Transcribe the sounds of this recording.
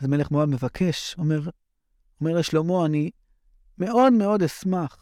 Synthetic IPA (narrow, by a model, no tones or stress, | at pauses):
zme̞leχmoadme̞vakʰe̞ʃomeʁ | ome̞ʁjeʃlomoani | me̞o̞d̪me̞o̞d̪esmaχ